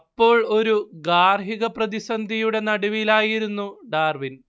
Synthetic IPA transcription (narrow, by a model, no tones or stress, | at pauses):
pːo̞ːɭo̞ɾuɡaːrɦiɣɐprɐðisɐnd̪ʱijuɽe̞nɐɽiʋilaːjiɾunːuɖaːrʋin